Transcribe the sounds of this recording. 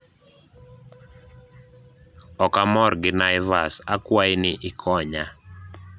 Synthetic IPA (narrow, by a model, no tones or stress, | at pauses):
ɔkamɔrɡɪnaɪvasakwajinɪʔɪkʰɔɲa